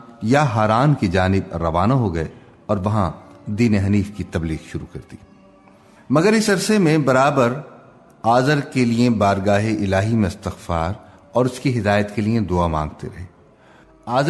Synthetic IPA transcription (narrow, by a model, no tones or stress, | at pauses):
jaɦaːɾaːnkid͡ʒaːnɪbɾɐʋaːnaɦoɡɐe | ɔːɾʋɐɦãd̪iːneɦɐniːfkit̪ɐbliːɣʃʊɾukɐɾt̪iː | mɐɡəɾɪsɐɾsemẽbɐɾaːbəɾ | aːzəɾkeliebaːɾɡaːɦeʔɪlaːɦimẽɪst̪ɪxfa̰ːɾ | ɔːɾʊskiɦɪd̪aːjət̪keliẽd̪oːamã̰ːŋɡt̪ḛɾɐɦeː | aːz